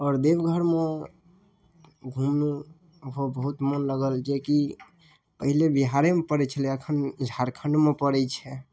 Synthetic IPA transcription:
ɔɾd̪ebɡʱəɾme | ɡʱumnu | ɦobəɦut̪mənləɡəld͡ʒeki | pəɦilebiɦaɾemepəɾɛt͡ʃʰəliəkʰənid͡ʒʱaɾkʰəɳɖmepəɽɛt͡ʃʰɛ

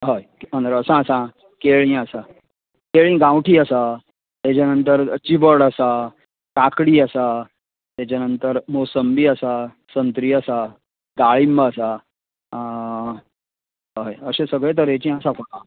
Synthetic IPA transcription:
ɦəjə̃nd̪əɾəsãəsã | keɭĩəsa | keɭĩɡãwʈʰiːəsa | t̪et͡ɕanənt̪əɾt͡ɕibəɽəsa | kakɽiːəsa | t̪ɛt͡ɕanənt̪əɾmosəmbiːəsa | sənt̪ɾiːəsa | ɡaɭimbəːsa | jəɕẽsəɡɭet̪̬əɾet͡ɕĩəsãfəkã

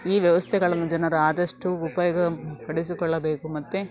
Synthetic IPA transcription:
iːʋjɐʋɐst̪ʰɛɡɐɭɐnːud͡ʒɛnɐɾuaːd̪ɐʂʈuːpɐjɔːɡɐpɐɽisikɔɭːɐbe̞ːkumɐt̪ːe

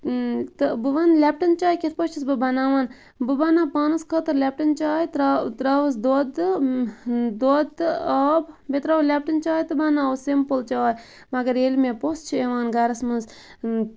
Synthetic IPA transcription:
t̪ɨbɨʋɐnlʲɛp̚ʈɐnt͡ʃaːjkʲet̪̚ʰpɐt͡ʃʰisbɨbɐnaːʋaːn | bɨbɐnaːpaːnɨskʰɐt̪ɨɾlʲɛp̚ʈɐnt͡ʃaːjt̪ɾt̪ɾaʋɨs̬d̪od̪ɨ | d̪od̪ɨɐbbʲet̪ɾaʋlʲɛp̚ʈɐnt͡ʃaːjt̪ɨbɐnãːusimpɨlt͡ʃaːj | mɐɡɐɾelmepost͡ʃʰieʋaːnɡɐɾɐsmɨz

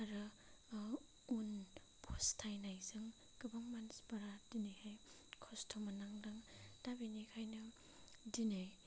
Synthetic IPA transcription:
aɾɯ | un | pʰɔstʰajnajzɯŋ | kɯbaŋmansbaɾadinɯhaj | kʰɔstʰɔmanaŋdaŋd̥abinikʰajnɯ | dinaj

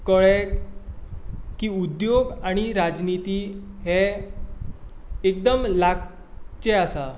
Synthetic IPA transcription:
kəɭɛ | kiːud̪joɡaɽ̃iɾad͡znit̪i | ɦɛ | ek̚d̪əmlaɡ̚ | t͡ɕeasa

